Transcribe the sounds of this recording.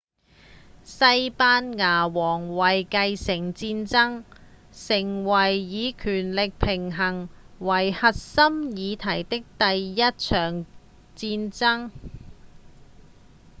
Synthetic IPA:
sɐ˧˥jpaː˥nŋaː˨˩wɔː˨˩ŋwɐ˨˩jkɐ˧jsɪ˨˩ŋt͡siː˧nt͡sɐ˥ŋ | sɪ˨˩ŋwɐ˨˩jːiː˨˧kʰyː˨˩nlɪ˨k̚pʰɪ˨˩ŋɦɐ˨˩ŋ | wɐ˨˩jhɐ˨t̚sɐ˥mjiː˨˧t̪ʰɐ˨˩jt̪ɪ˥k̚t̪ɐ˨jjɐ˥t̚t͡ʃʰœː˨˩ŋ | t͡siː˧nt͡sɐ˥ŋ

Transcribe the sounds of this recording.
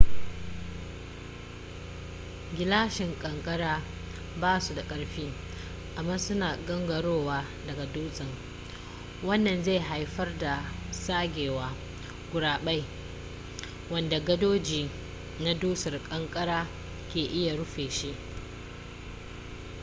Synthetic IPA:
ɡʲɪ˨laː˦ʃɪ˨ŋkʼɐ˨ŋkʼɐ˦ɽaː˦ | baː˦su˨da˨kʼɐ˨ɽɸiː˦ | ʔa˨mːaː˦sʊ˦naː˨ɡɐ˦ŋɡɐ˨ɽoː˦waː˦ | dɐ˨ɡa˨duː˦sʼɪ˨ŋ | wɐ˦nːɐ˨nza˦˨jɦa˨jɸɐ˦rda˨saː˦ɡʲeː˨waː˦ | ɡʷʊ˨ɽaː˨ɓa˦j | wɐ˦nda˨ɡɐ˦doː˦d͡ʒiː˨ | na˦duː˦sɐ˨rkʼɐ˦ŋkʼɐ˦ɽaː˦ | kʲeː˨ʔɪ˦ja˨ɽʊ˦ɸeː˨ʃi˦ʔ

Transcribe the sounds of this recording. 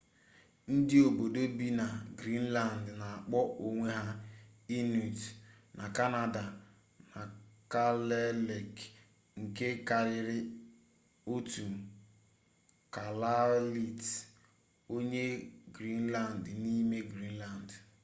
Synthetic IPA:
n̩˦dɪ˦o˨bo˨do˦bi˦na˨ɡɾi˦n̩˦la˦˨n˨dna˨a˨k͡pɔ˦ʔo˨ŋʷe˦ɦa˦i˦nu˨t | nʔa˨ka˦na˨da˨ | na˨ka˦le˦le˨k | ŋ̩˨ke˦ka˨ɾɪ˨ɾɪ˦ | o˦tu˨ | ka˨la˦li˨t | o˦ɲe˦ɡɾi˦n̩˦la˨n̩˨dni˦me˦ɡɾi˦n̩˦la˨n˨d

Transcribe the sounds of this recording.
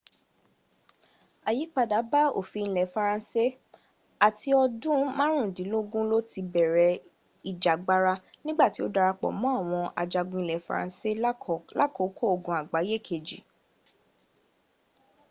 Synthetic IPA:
a˨ji˨˦k͡pa˨da˨˦ba˦o̰˦˨fi˨˧ñ̩˧lɛ˨fa˧ɾã˧se˦ | a˨ti˧ɔ˧dũ˦mã˦ɾ̃ũ˦˨dĩ˨˦lo˦ɡũ˦lo˦ti˧bɛ˨ɾɛ˨˦ | i˨d͡ʒa˨ɡ͡ba˧ɾa˧ | nĩ˦ɡ͡ba˦˨ti˨˦o˦da˧ɾa˧k͡pɔ̰˨mɔ̃˨˦a˦˨w̃ɔ̃˧ʔa̰˨d͡ʒa˧ɡũ˧ĩ˧˨lɛ˨fa̰˧ɾã̰˧se˦la̰˦˨ko˨˦kʰo˦o˨ɡũ˨a˨ɡ͡ba˨˦i˦je˦˨kʰe˨d͡ʒḭ˨

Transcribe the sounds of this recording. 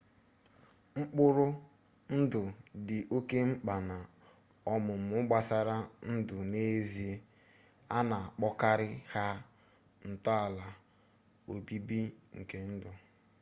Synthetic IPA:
ŋ͡m̩˦k͡pʊ˦ɾʊ˦ | n̩˦dʊ˨dɪ˨ʔo˦ke˦ŋ͡m̩˦k͡pa˨na˨ | ɔ˦mʊ˨m̩˨ʊ˦ɡ͡ba˦sa˦ɾa˦n̩˦dʊ˨ne˦zi˦ | a˦na˨a˨k͡pɔ˦ka˦ɾɪ˦ha˦ | n̩˨tɔ˦a˨la˨ | o˨bi˦bi˦ŋ̩˨ke˨n̩˦dʊ˨

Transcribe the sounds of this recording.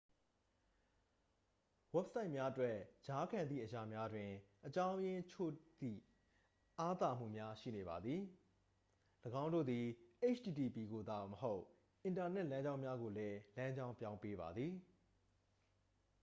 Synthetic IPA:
wɛ˦˨p̚sa˦ɪʔmja˦ʔətwɛ˦˨ʔt͡ɕa˦kʰã˨nd̪ðḭ˦˨ʔəja˨mja˦dwɪ̃˨ʔət͡ɕã˦ʊ̃jɪ̃˦t͡ɕʰo̰˦˨d̪̥ḭ˦˨ | ʔa˦t̪a˦˨m̥ṵ˦˨mja˦ʃḭ˦˨ne˨βa˨d̪ði˨ | ləɡã˦ʊ̃ndo̰˦˨d̪i˨ʔe˦t͡ɕʰdi˨ti˨pi˨ɡo˨d̪a˨məɦo˦ʊʔ | ʔɪ̃˨nta˨n̥ɛ˦ʔlã˦ɲd͡ʑã˦ʊ̃mja˦ɡo˨lɛ˦lã˦ɲd͡ʑã˦ʊ̃pjã˦ʊ̃mpe˦βa̰˨d̪ði˨

